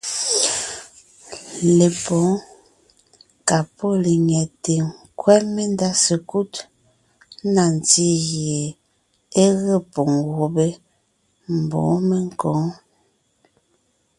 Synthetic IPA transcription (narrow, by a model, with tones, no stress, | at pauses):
le˨pɔ̃˨˦ | ka˨po˦˨le˨ɲɛ˨te˨ŋkwɛ˦me˦nda˦sə˨ku˦t | na˨n˨ti˦ɣje˨ | e˦ɣə˦˨po˨ŋɣo˨be˦ | m̩˨bɔ̰˨˦me˦ŋ˦kɔ˨˦ŋ